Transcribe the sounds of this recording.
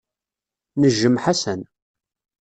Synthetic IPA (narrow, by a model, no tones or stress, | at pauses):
nəʒːəmħasən